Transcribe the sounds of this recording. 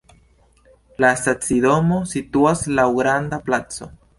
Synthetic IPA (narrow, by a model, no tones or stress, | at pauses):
last̪at͡siðomosit̪uaslauɣɾand̪aplat͡so